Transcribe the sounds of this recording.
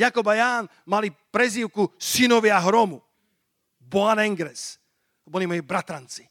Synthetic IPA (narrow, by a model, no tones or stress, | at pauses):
jakɔbajaːn | malipɾɛziːʊkusinɔʋjaɦɾɔmu | bɔanɛŋɡɾɛs | bɔlimɔjibɾat̪ɾant͡si̥